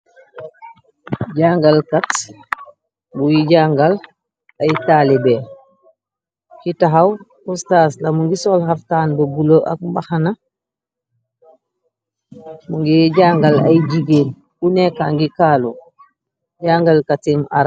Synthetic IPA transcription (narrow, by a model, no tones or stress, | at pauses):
ɟaŋɡalkat | bujiɟaŋɡal | ajtaːlibɛ | kitaɦaw | ɔstaːslamuŋɡisɔlɦaftaːnbɔbuloʔa̰k̚mbaxana | muŋɡiɟaːŋɡala̰jd͡ʒiɡel | unɛkaŋɡikaːlɔ̰ | ɟaːŋɡalkatima̰ɾa